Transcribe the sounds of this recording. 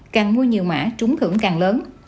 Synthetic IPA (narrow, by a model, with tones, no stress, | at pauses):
kaː˨˩ŋmu˧jɲi˨˩əwma̰ː˧˥t͡ɕʊ˨˦ŋ͡mhɨ̰˧˩əŋkaː˨˩ŋləː˨˦n